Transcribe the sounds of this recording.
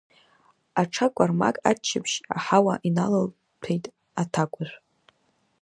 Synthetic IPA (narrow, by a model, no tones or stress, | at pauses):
aʈ͡ʂʰakʷʼarma̰kʼat͡ʃʰːɪpʰʃa̰ħawaʔinalal | pʰejtʼ | atʰakʷʼʊrʷᶣ